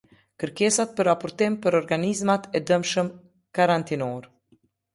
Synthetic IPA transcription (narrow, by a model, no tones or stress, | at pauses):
kəɾkɛsat̪̚pəɾapɔɾt̪impəɾɔɾɡanizmat̪ɛd̪əmʃəm | kaɾant̪inɔɾ